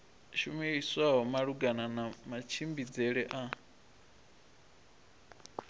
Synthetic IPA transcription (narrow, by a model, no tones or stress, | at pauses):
ʃumiiswaɦɔmaɺuɡananamat͡ʃʰimbid͡zɛɺɛʔa